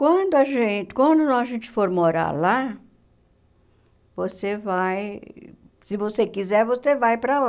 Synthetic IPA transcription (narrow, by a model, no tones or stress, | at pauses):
kwɐ̃d̪ʊaʒẽt͡ʃɪ̥kwɐ̃nd̪ʊnɔ̃ɐʒẽnt͡ʃɪ̥foɾmoɾa̰la | vosevaj | sɪvosekizɛɾvosevajpɾal